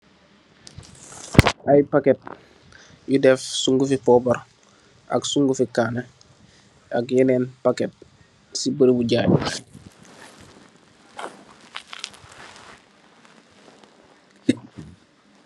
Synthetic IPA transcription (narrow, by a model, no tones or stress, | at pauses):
ajpaket̚ | judɛfsuŋɡufipɔbaɾ | a̰ksuŋɡufikaːne | akjeneːnpaket̚ | sibəɾibuɟaːɟ